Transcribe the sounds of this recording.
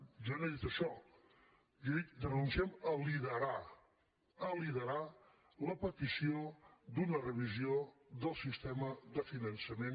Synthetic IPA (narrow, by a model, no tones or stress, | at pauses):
ʒanoðit̪əʃɔ | jəðik̚d̪nunsiɛməliðəɾa | əliðəɾa | ləpət̪isiod̪unərəβ̞izioðəlˠsist̪ɛməðəfinənsəmen